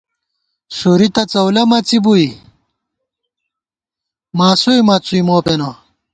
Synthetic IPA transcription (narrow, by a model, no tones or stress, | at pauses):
suɾit̪ɐt͡sɐwlɐmɐt͡sibui | maːsuimɐt͡suimoːpeno